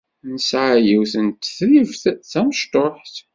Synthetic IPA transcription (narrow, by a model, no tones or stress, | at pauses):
nəsʕajiwθənt̪θðivθθæmʃt̪oħθ